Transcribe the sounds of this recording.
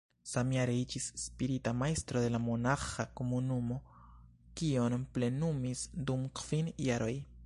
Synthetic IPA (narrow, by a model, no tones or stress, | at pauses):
samiaɾejt͡ʃisspiɾit̪amajst̪ɾodelamonaχakomunumo | kionplenumisd̪umqʰfinijaɾoj